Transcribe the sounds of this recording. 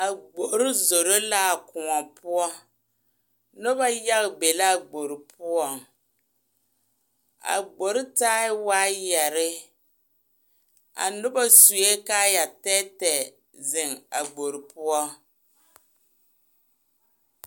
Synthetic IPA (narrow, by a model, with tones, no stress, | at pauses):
a˨ɡ͡bo˨ʔɾɪ˦zo˨ɾo˦la˦˨kʊ˨ŋɔ˨pʊ˦ɔ˦ | nʊ˦ba˦ja˦ɣbe˨la˦˨ɡ͡bo˨ɾɪ˨pʰʊ˦ɔ˨ŋ | a̰˨ɡ͡bo˨ɾɪ˦taː˦ɪ˦waː˦jɛ˨ɾɪ˦ | a̰˨nʊ˦ba˦su˨e˦ka˦ja˨tɛ˦tɛ˨ | zɪ˨ŋa˨ɡ͡bo˨ɾɪ˨pʊ˦ɔ˦